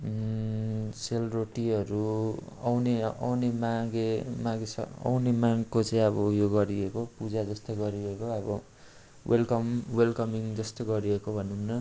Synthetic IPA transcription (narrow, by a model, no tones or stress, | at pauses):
selroʈiʌɾu | ʌwneʌ̰wnemaɡemaɡesʌ̰ʌ̰wnemaŋkot͡sʌĩʌbʌjoɡʌɾiekopud͡zad͡zʌst̪oɡʌɾiekoʌbʌ | welkʌmwelkʌmiŋd͡zʌst̪oɡʌɾiekobʱʌnumnʌ